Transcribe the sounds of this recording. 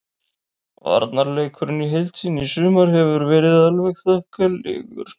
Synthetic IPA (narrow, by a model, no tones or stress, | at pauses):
va̰ɾt̪naɾlejkʰʏɾʏnːiɦejlt̪ʰinisʏːmaɾɦɛvʏɾvɛːɾɪðalvɛɣθœhkalɪ̰ːɣʏ̰ɾ̥